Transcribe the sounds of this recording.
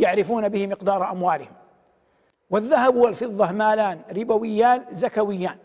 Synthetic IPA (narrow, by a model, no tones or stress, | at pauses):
jaʕɾɪfuːnabɪhɪmɪqd̪ɑːɾˤʔamwaːlɪhɪm | wɪðːaɦabhʊwalfɨðˤːɑmaːlaːnɾɪbawɪjːaːnzakawɪjːaːn